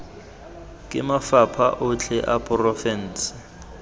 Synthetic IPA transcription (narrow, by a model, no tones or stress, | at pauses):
kʼɪmafapʰaʔʊt͡ɬʰɛʔapʼrɔfɛn̩ːsɪ̥